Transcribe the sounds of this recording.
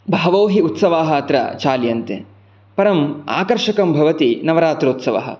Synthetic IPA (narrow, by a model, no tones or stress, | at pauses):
bʱɐːɐʋoːɦiut̪sɐʋaːɦɐɐt̪ɾɐ̰t͡ʃaːljɐnt̪ḛ | pɐɾɐma̰ːkɐɾʃɐkɐmbʱɐʋɐt̪inɐʋɐɾaːt̪ɾɐut̪sɐʋɐ̰ɦɐ̰